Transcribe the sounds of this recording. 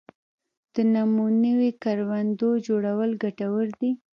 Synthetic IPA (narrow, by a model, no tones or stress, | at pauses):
d̪̥ənamunəwekaɾwand̪od͡ʒoɽawəlɡaʈawəɾd̪i